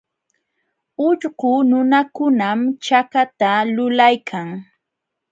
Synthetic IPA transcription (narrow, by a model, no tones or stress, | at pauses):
ʊʎɢʊnʊnakʊnamt͡ʃakat̪alʊlajkʰaŋ